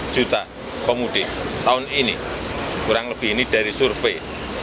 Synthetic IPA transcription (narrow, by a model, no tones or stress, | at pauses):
ʒ̥ṳt̪a | pəmuɖ̪̥et̪aʊninikuɾaŋləb̥i̤ɦiniɖ̥a̤ɾisurfe